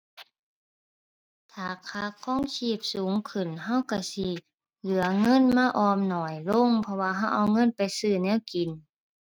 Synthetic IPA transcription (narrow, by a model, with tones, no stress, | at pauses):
t̪ʰaː˨˩kʰaː˧˩kʰɔː˧˥˨ŋsʰiː˧˩p̚suː˨˦ŋkʰɯ˨˩nɦa˧˥˨wka˧˩si˧ | lɯ˨˩˦ɐŋɤ˧˥˨nmaː˧˥˧ʔɔː˧˩mnɔː˨˩jlo˧˥˨ŋpʰɔ˧waː˧ɦa˧˥˩wʔa˧wŋɤ˧˥˨npa˨jsɯː˧˩nɛː˧˥˨wki˨n